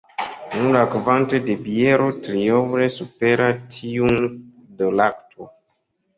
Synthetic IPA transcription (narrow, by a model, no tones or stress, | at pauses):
nulakvantedebieɾotɾiowɾesupeɾatʰiun | dəlaktʰo